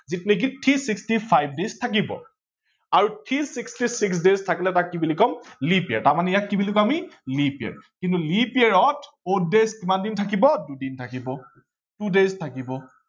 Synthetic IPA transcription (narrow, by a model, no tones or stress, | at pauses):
zitnek̬itʰisikstipʰajb̚deztʰak̬ibɔ̰ | aɹutʰisikstisiks̬deztʰakilɛtakːibilikɔmlipiɛ̰ɹtaɹmanɛjakːibilikɔamilipiɛ̰ɹkintulipiɛɹɔtʰ | ot̚dezkimandintʰakibɔdudintʰakibɔ | tudeztʰakibɔ